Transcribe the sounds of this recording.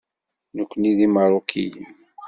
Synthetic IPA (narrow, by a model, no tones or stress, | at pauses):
nəkʷːəniðimɑɾˤokʰij